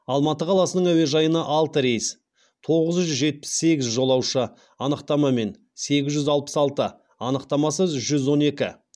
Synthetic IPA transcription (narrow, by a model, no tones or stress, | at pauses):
ɑlˠmɑt̪əqʰɑlˠɑsənəɴæwe̞ʒɑjənɑʔɑlˠt̪əɾejs | t̪ʰo̞ʁəzʒʏzʒe̞t̪̚pɪ̥sːe̞ɡʲɪzʒo̞lˠɑwʃə | ɑnəqt̪ɑmɑme̞n | se̞ɡʲɪzʒʏzɑlˠpə̥sɑlˠt̪ə | ɑnəqt̪ɑmɑsəzʒʏzwo̞ne̞kʲɪ